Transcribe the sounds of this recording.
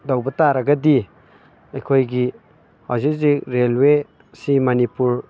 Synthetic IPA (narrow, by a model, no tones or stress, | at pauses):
dawbɐtaɾɐɡɐdi | ɐjkʰojɡi | ha̰zik̚zik̚ɾelwe | simɐnipuɾ